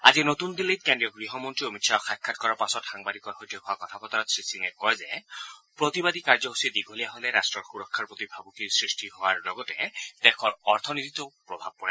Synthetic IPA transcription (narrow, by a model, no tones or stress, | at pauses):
a̰zinot̪und̪ilejkɛndijɔɡɹiɦɔmɔntɹiomitʃʰaɔxakʰːat̪kɔɹaɹpasɔtxaŋbad̪ikɔɹxojt̪ɔɦɔakɔt̪ʰapɔt̪aɾɔt̪sɹisiŋɛkɔjzepɹɔt̪ibad̪ikaɹzɔɦusied̪iɡʱɔlijaɦoleɾasʈɹɔɹxuɾɔkʰːaɹpɔt̪ibʱabukisɹisʈiɦɔaɹlɔɡɔtet̪ɛkʰɔɹɔɾt̪ʰɔnit̪it̪ɔpɹɔbʱab̚pɔa